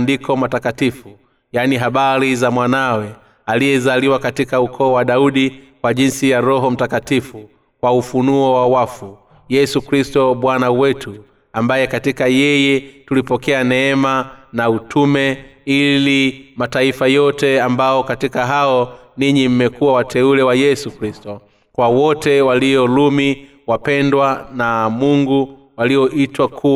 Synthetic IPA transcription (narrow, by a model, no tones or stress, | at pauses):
ndikɔmatakatifu | janiɦaɓaɾizamwanawɛ | alijɛzaliwakatikaukʰɔːwaɗauɗikwaʄinsijaɾɔɦɔm̩takatifu | kwaufunuɔwawafu | jɛsukɾistɔɓwanawɛtʰu | ambajɛkatikajɛjɛtulipɔkɛanɛːmanautʰumɛilimataifajɔtɛambaɔkatikaɦaɔ | niɲim̩mɛkuwawatʰɛulɛwajɛsukɾistɔ | kwawɔtɛwaliɔlumi | wapɛndwanamuŋɡu | waliɔʔitwakʰu